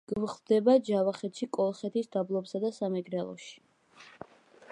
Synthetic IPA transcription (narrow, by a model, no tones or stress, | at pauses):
ɡ̥vχld̪ɛbad͡ʒavaχɛt̪ʃikʼɔlˠχɛt̪ʰisd̪ablˠɔpsad̪asamɛɡɾɛlˠɔ̰ʃi̥